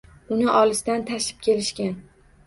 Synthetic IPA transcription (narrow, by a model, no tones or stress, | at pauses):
ʊnɪʔɒlɪsd̪ant̪ʰaʃɪ̥p̚kʲʰe̞lɪʃkʲan